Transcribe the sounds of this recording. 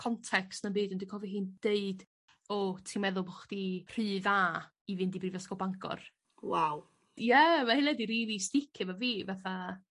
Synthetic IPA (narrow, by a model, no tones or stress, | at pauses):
kʰɔntʰɛkstnabɨːdɔndikʰɔviɦɨːnd̥eɨd̥ | ɔtʰimɛðʊlˠbɔχd̥ir̥ɨːða | ivɨndibrivɛskɔbaŋkʰɔ̰r | waw | jɛmahɪnɛdiɾiːðistɪkʰɪvaviːvaθa